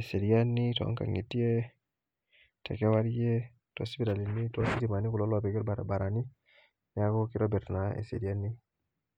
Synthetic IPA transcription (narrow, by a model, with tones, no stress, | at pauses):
ɛ˨se˨ɾi˨a˦ni˦ta̰˦ŋka̰˨ŋi˨ti˦ɛ˦ | tʰɛ̰˨kɛ˦wa˦ɾi˦ɛ˦ | twɔ̰˨si˦bi˦ɾa˨li˨ni˦twa˦si˦ɾi˨ma˨ni˦ku˨lɔ˦la˨pɛ˨kɛ˦ɾba˨ɾa˨ba˨ɾa˨ni˦ | nja˦kɔ˦ki˦ɾɔ˦bɛ˨tna˨ɛ̰˨sḛ˨ɾi˨a˦ni˦